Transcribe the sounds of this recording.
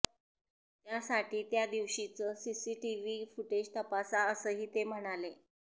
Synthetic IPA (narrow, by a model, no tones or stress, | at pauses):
t̪jasaʈiːt̪jad̪iʋɕit͡səsisiːʈiʋiːfuʈed͡ʑt̪əpasaəsəːɦiːt̪em̤əɽ̃ale